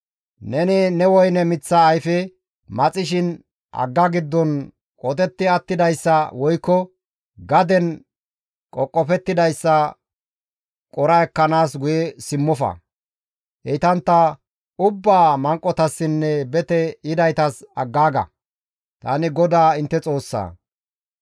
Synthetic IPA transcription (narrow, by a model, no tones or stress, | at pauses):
nɛnɪnɛwɔjnɛmɪt͡sːɐːjfɛ | mɐt͡sʼɪʃɪn | ʔɐ̰ɡːɐɡɪd̪ːɔn | kʼɔt̪ɛt̪ːɪɐt̪ːɪd̪ɐjsːɐwɔjkːɔ | ɡɐd̪ɛn | kʼɔkʼːɔpɛt̪ːɪd̪ɐjsːɐ | kʼɔɾɐɛkːɐnaːsɡʊjɛsɪmːɔfɐ̰ | hɛjt̪ɐnt̪ːɐ | ʊbːaːmɐŋkʼːɔt̪ɐsːɪnːɛbɛt̪ɛɪd̪ɐjt̪ɐsɐɡːaːɡɐ̰ | t̪a̰ːnɪɡɔd̪aːɪnt̪ːɛt͡sʼo̞ːsːa̰ː